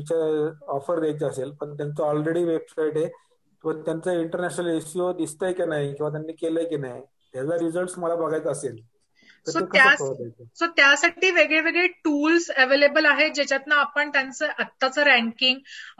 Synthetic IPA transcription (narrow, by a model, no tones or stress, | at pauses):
t͡ɕaɔfəɾːed͡ʑəselpəɳt̪jant͡səɔlɾeɽiːʋebsaiʈɦe | pəɳt̪jant͡səiɳʈəɾnæɕnəleɕiod̪ist̪əjkinaɦjkĩwʋat̪̬janːiːkeləjkinaɦj | t̪jad͡zaɾid͡zəlʈsməlabəɡʱajt͡səsel | t̪əɾsoek̪ʰjaəət̪ajt͡səsot̪jasaʈiːʋeɡɭeʋeɡɭeʈuːlsəʋelebəlaɦed͡ʑet͡ɕat̪naːpəɳt̪jãnt͡səʔət̪ːat͡səɾæ̃ŋkiŋɡ